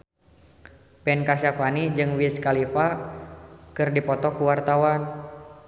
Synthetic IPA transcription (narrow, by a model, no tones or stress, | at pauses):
pɛnkaʃafanid͡ʒɨŋwiskalifa | kɨrdipɔt̪ɔkuwart̪awan